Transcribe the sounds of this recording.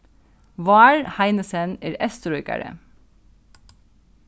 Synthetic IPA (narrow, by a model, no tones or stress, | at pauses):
ʋɑːɹhæɪnəsəneːɾɛst̪ɾɔʏkɑ̰ɾə̰